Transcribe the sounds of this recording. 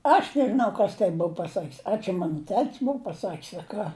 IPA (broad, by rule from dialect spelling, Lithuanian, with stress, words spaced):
ˈɐʃ nʲɛʒʲɪˈnɐʊ ˈkɐs tɐɪ ˈbʊʊ pɐˈsɐkʲsʲ ɐ t͡ʃʲɛ ˈmɑːnʊ ˈtʲɛtʲsʲ ˈbʊʊ pɐˈsɐkʲsʲ ɐ ˈkɑː